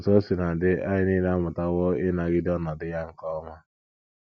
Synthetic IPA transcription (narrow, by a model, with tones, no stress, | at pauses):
to˦si˨na˨dɪ˦a̰˦ɲɪ˦niː˦la˦mʊ˨ta˦wɔ˦ɪ˦na˨ɡɪ˦dɔ˦nɔ˨dɪ˦ja˦ŋ̩˨kɔ˦ŋʷa˦